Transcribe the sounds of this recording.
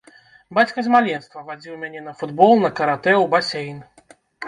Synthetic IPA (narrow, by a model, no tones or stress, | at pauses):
bat͡sʲkɐzʲmalʲɛnst̪vɐvad͡zʲiwmʲanʲɛnɐfud̪bɔlˠnɐkɐɾat̪ɛwbasʲejn